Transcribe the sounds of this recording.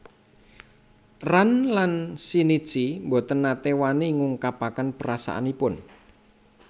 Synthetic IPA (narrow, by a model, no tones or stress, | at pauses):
ranlansini̥t͡ʃimbot̪ənːat̪ewaniŋuŋkapakənpəɾasa̰ʔa̰nipʊn